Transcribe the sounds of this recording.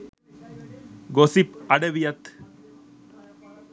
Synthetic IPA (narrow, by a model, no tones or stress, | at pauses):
ɡosipɐɽɐʋijɐt̪